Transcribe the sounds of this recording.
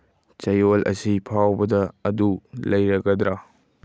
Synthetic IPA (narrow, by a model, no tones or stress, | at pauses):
t͡ʃɐjolʔɐ̰sipʰawbɐdɐɐdulɐjɾɐɡɐdɾa